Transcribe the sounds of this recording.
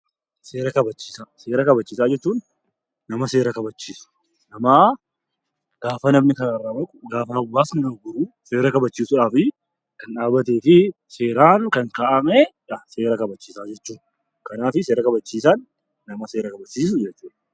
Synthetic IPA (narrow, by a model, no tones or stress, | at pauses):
seːɾɐkɐbɐt͡ʃːiːsaːseːɾɐkɐbɐt͡ʃːiːsaːd͡ʒɛt͡ʃːuːnː | ɐmɐse̞ːɾɐkɐbɐt͡ʃːiːsʊ̥ | nɐmaː | ɡ̥aːfɐnɐmnɪkɐnɐrːaːbɐkʼʊɡaːfɐʊbːaːsnɐnɐɡʊɾu | seːɾɐkɐbɐt͡ʃːiːsʊᶑaːfɪ | kɐnᶑaːbɐt̪̬eːfɪ | seːɾaːŋkɐŋkaːʔɐmeᶑɐseːɾɐkɐbɐt͡ʃːiːsaːd͡ʒɛt͡ʃːuː | kɐnaːfɪseːɾɐkɐbɐt͡ʃːiːsanː | ɐmɐseːɾɐkɐbɐt͡ʃːiːs̬ʊd͡ʒɛt͡ʃːuːᶑɐ̥